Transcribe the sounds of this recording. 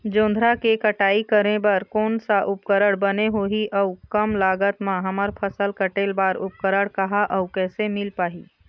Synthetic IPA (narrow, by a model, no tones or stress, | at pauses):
d͡ʒõːnd̪ʱɾakekəʈaːikəɾẽbɐɾkɔːnsaʔʊp̚kəɾəɽbɐneɦoːiʔɐʊkɐmlaːɡət̪mãɦɐməɾpʰəsəlkəʈeːlbaːɾʊp̚kəɾəɽkɐɦaʔɐʊkɛːsemɪlpaːɦiː